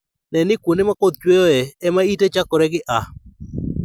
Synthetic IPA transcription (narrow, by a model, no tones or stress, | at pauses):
nɛnɪkunɪmakod̪̚t͡ʃwejoɛɛmaitet͡ʃakɔɾɛɡɪʔa